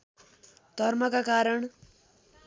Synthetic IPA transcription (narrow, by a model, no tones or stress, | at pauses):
d̪ʱʌrmʌkakaɾʌɳ